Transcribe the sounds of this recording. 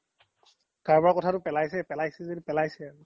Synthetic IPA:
kaɹbaɹakɔtʰatʊpɛlajsɛpɛlajsɛzedipɛlajsɛaɹʊ

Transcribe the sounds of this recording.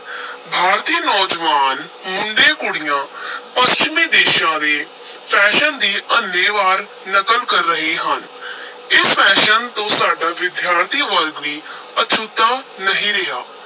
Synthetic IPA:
bʱaːɾt̪iːnɔːd͡ʒʋaːn | mʊɳɖeːkʊɽɪjãːpəst͡ʃmiːd̪eːʃãːd̪eː | pʰɛːʃənd̪iːʔənːeːʋaːɾ | nəkəlkəɾːəɦeːɦən | ɪspʰɛːʃənt̪õːsaːɖaːʋɪd̪jaːɾt̪ʰiːʋəɾɡʋiː | ətːʃʰut̪aː | nəɦĩːɾɪɦaː

